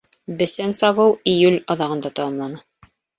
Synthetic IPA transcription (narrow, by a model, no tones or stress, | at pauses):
bɘ̆sænsɑβɤwijʉlʲɑðɑʁɤ̆nd̪ɑt̪ɑwɑmlˠɑnɤ